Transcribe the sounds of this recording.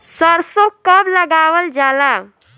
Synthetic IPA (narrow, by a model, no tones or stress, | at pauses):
səɾsokəbləɡawəld͡ʒala